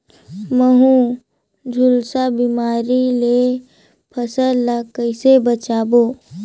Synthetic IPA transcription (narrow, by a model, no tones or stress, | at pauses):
məɦũ | d͡ʒʱʊlsabimaːɾile | pʰəsəlakəɪsebət͡ʃaːboː